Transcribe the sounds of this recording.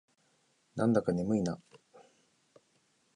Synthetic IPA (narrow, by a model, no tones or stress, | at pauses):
nʔãnd̪akanemɯ̟ina